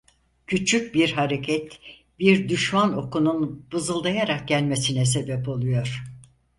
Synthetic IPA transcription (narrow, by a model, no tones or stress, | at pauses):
cʰyt͡ʃʰyc̚biɾɦaɾecʰɛt̪ | biɾd̪yʃmano̞kununbɯzɯlˠd̪ajaɾak̚ɟælʲmesinɛs̬e̞bɛpo̞lˠujo̞ɾ̥